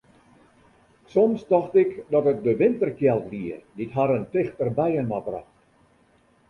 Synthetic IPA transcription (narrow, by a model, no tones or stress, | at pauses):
sɔmsdɔxtɪkdɔtət̚dəʋɪntərkjɛlˠtʋiəditɦaɾəntɪxtərbɛjənmabrɑ̰xt